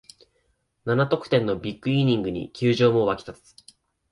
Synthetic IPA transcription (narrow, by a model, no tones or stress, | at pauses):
nanat̪o̞kɯ̟̥t̪ẽ̞nːo̞bʲikːɯ̟iɲ̟ĩŋɡɯ̟ɲ̟ḭkʲɨːʑo̞ːmo̞βakʲi̥t̪at͡st͡sɨ̥